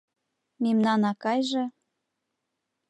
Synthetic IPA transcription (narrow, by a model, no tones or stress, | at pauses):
memnɑnɑkɑjʒɤ̆